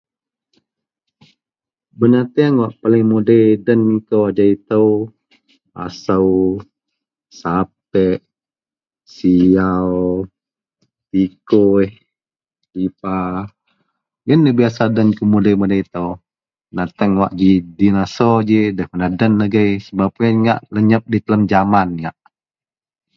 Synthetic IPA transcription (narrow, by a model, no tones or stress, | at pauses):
bənat̪əŋwaʔpalɪŋmodajdənikowad͡ʒait̪əw | a̰saw | sap̚ɛʔ | siaw | t̪ikoh | lipa | jənːəbiasadənkəmudəmədait̪əw | nat̪əŋwa̰ʔd͡ʒidinasɔd͡ʒidəhpənadənːəɡəjsəbap̚ənŋa̰ʔləɲəp̚dit̪ələmd͡ʒamanjaʔ